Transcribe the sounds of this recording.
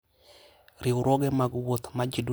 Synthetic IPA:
ɾɪʊɾɔɡɛmaɡwot̪mad͡ʒidu

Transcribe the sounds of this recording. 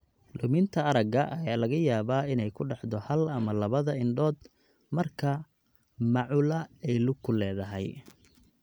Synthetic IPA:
lʊmɪnt̪ʰɐɐɾɐɡɐʔɐjaːlɐɣɐjaːβaːɪnɛjkʰʊɖɑħd̪ɔhɐlɐmɐlɐβɐðɐɪnɖɔːd̪ | mɐrkʰɐ | mɑʕʊːlɐɛjlʊɡkʰːʊlɛːðɐɦɛj

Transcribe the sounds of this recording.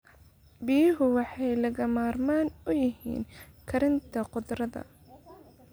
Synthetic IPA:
bijɪɦʊwɑħɑjlɐɣɐmaːrmaːnʊjɪɦḭːnkʰɐɾɪnt̪ʰɐqʊd̪rɐðɐ̰

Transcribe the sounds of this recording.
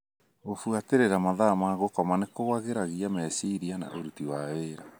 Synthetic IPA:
ɣofuateɾeɾamaðaːmaɣokɔmanekowaɣeɾaɣiamɛsiɾiana̰ʔoɾutiwaeɾa

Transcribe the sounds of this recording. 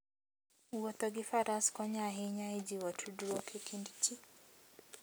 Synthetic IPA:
uɔt̪ɔɡifaɾaskɔɲaɦeɲaed͡ʒiwɔtʰuduɾɔkʰekʰindit͡ʃi

